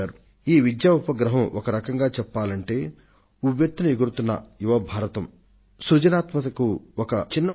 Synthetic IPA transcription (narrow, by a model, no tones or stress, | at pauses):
aːɾu | iːʋid̪jaːupɐɡɾɐɦɐmʔɔkɐɾɐkɐŋɡaːt͡ʃɛpːaːlɐɳʈe̞ː | ubjɐt̪ːɐnɐiɡuɾut̪unːɐ̰juʋɐbʱaːɾɐt̪ɐm | sɾud͡ʒɐnaːt̪mɐt̪ɐkuɔkɐt͡ʃinːɐ